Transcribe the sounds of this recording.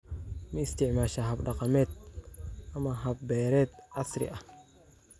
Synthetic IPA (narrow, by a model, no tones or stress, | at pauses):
miɪst̪ɪʕmaːʃaɦɐbɖɑqɑmɛːt̪̚ | ʔɐmaɦɐb̚bɛːɾɛːt̪ʔɐsɾɪ̰ʔɐ